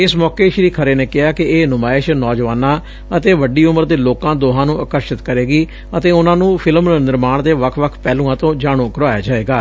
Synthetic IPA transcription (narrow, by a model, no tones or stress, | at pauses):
ɪsmɔːkeːʃɾiːkʰəɾeːneːkɪɦaːkɪeːnʊmaːɪʃnɔːd͡ʒʋaːnãː | ət̪eːʋəɖiːʊməɾd̪eːloːkãːd̪oːɦãːnũːəkəɾʃɪt̪kəɾeːɡiː | ət̪eːʊnãːnũːpʰɪlmnɪɾmaːɳd̪eːʋəkʰʋəkʰpɛːlũːãːt̪õːd͡ʒaːɽ̃oːkəɾaːja̰ːd͡ʒaːeːɡaː